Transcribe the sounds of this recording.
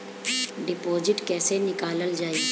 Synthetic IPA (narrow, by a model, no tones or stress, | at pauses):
ɖɪpoːd͡ʒɪʈkɛːsenɪkaːləld͡ʒaːi